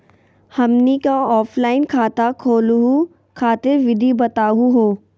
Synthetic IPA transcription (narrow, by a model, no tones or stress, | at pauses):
hɐmnikaɔːpʰlaːɪnkʰaːt̪akʰoːlɦu | kʰaːt̪ɪɾʋɪd̪ibɐt̪aːɦuɦoː